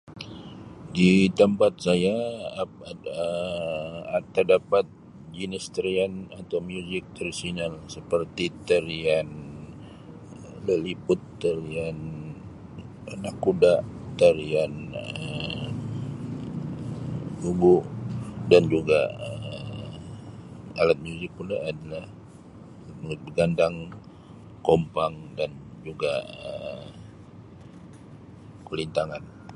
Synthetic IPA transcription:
dit̪əmpat̪̚saja | ə | t̪ərdapat̪̚ | d͡ʒinist̪əɾianat̪awmjuzɪk̚t̪əɾisinalsəpərt̪it̪əɾian | ləlipʊt̪ːəɾian | nakudaʔt̪əɾianə | ɡubuʔdand͡ʒuɡa̰ə | alat̪̚məud͡ʒipulaadalah | mŋt̪̚bəɡandaŋ | kompaŋdand͡ʒuɡaə | kulint̪aŋan

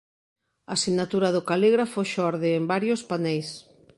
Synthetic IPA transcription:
asiɣnat̪uɾaðʊkaliɣɾafoʃɔɾðɪːmbaɾjospanɛjs

